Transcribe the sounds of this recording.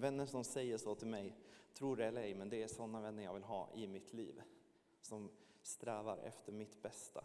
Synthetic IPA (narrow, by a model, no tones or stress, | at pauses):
vɛnːəʂɔmsɛjːəʂoːt̪ʰɪlmɛjt̪ʰɾuːɾɖɛɛlːəɾɛjmɛnd̪ɛæʂɔnːavɛnːəjɑːɡvɪlɦɑ̰ːʔɪmɪt̪ʰlḭːv | sɔm | st̪ɾɛːvaɾʔɛ̰ft̪ʰəɾmɪt̪bɛst̪ʰa̰